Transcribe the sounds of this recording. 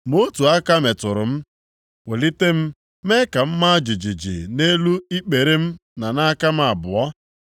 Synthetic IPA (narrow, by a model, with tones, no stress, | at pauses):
mo˦tu˨a˦ka˦me˨tʊ˨ɾʊ˨m̩˦ | we˨li˦te˦m̩˦ | me˦ka˨m̩˦ma˦d͡ʒi˨d͡ʒi˨d͡ʒḭ˨ne˦lu˦i˦k͡pe˨ɾe˦m̩˦na˨na˦ka˦m̩˦a˨bʊ˨ɔ˦